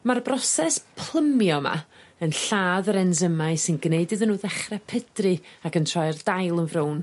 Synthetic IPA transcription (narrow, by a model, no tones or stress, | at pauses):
marbrɔsɛspʰlˠəmjɔma̰ənɬaːðəɾɛnzəmaɨsɨnɡneɨdɨðənːuːðɛχrɛpʰədrɨakəntʰrɔjrdajlˠənvrown